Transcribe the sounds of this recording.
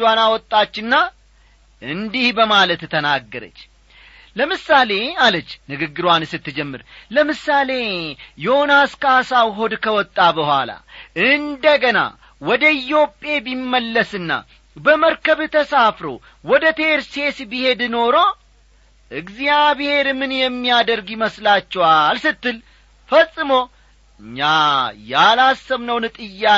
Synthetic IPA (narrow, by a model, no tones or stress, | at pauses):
wanawɔt̪ʼːat͡ʃːɨnːa | ɨnd̪ihbəmalət̪t̪ʰːənaɡːəɾə̰t͡ʃː | ləmɨsale̞alət͡ʃːnɨɡɨɡːɨɾwansɨt̪ːɨd͡ʒɛmːɨ̰ɾləmɨsale̞jonaskasawɦo̞d̪kʰəwɔt̪ʼːabəhʷa̰la̰ɨnd̪əɡəna̰ | wɔd̪əɪjo̞pʼe̞bimːəlːəsɨnːa̰ | bəməɾkəβt̪ʰəsafɾo̞̰ | wɔd̪ət̪ʰeɾse̞sbihe̞d̪no̞ɾo̞ | ʔɨɡzijabɪhe̞ɾmɨnjɛmːijad̪əɾɡɪməslat͡ʃːɛwalsɨt̪ːɨl | fəsʼːɨmo̞ | ɨɲːajalasːəβnəwnɨt̪ʼɨjːa